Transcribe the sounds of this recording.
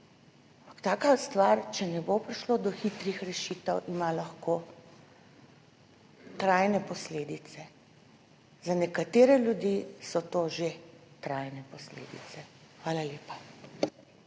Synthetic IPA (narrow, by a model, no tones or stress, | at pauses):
aampḁkt̪aːkast̪ʋaɾt͡ʃɛnɛbopɾiʃlod̪ɔxit̪ɾixɾɛʃit̪ɛwʔimalɐxkoː | t̪ɾajnɛpɔsleːd̪it̪sɛ | zanɛkat̪eːɾɛljud̪jisɔt̪oːʒet̪ɾajnɛpɔslḛːd̪ḭt̪sɛ | xʋaːlaleːpa